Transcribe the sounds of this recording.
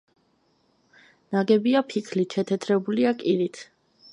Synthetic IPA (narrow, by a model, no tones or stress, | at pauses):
naɡɛbiapʰikʰliʃʰɛt̪ʰɛt̪ʰɾɛbuliakʼiɾit̪ʰ